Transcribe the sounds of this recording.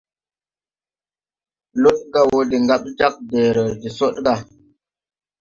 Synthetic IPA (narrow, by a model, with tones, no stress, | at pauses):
lo˦t̚ɡa˨wo˨di˨ŋɡa˦ɓ̚d͡ʒa˦k̚deː˨ɾə˨di˨so˦tɡa˨